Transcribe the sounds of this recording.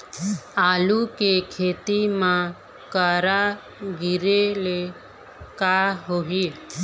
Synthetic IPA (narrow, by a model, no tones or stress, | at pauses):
aːlukekʰeːt̪imã | kaːɾa | ɡɪɾele | kaːɦoɦi